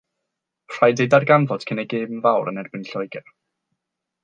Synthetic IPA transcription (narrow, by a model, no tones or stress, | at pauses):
r̥ajdejdarɡanvɔd̥kʰənɛɡeːmənvawɾənɛrbɪnɬɔjɡɛr